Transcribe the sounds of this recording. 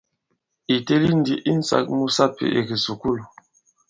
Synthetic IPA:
i˨te˦li˦n̩˦di˦ʔi˦n̩˦sa̰˨k̚mu˦sa˦pḛ˨ʔe˨ki˨su˨ku˦l

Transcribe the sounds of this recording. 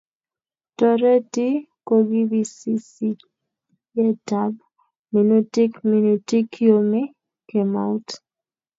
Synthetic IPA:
tɔ˨ɾɛ˦ti˦ | ko˦ɡi˦bi˦si˦si˦ | jɛ˦ta˦b | me˨nu˦ti˦kmi˨nu˨ti˦kʰi˦o˦me˦ | ke˨ma˨u˦t

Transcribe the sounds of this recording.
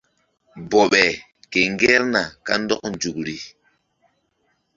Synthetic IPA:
bɔ˨ɓɛ˨ | ke˨ŋ˦ɡɛ˦ɾna˨ka̰˦n˦dɔ˦kn˨d͡ʒu˨kɾi˨

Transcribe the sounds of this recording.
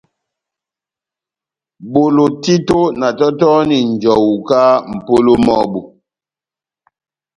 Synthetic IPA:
bo˨lo˨ti˦to˦na˨tɔ˦tɔ˦ni˨ɲ˨d͡ʒɔ˨wu˨ka˦m̩˨po˦lo˦mɔ˦bu˨

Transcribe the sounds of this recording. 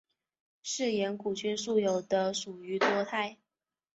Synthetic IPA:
ʂɻ̩˥˩jɛ˧˥nku˨˩t͡ɕʰɥɛ˥nʂu˥˩jo˨˩ʊd̪ə˦ʂu˨˩y˧˥t̪wɔ˥t̪ʰa˥˩ɪ

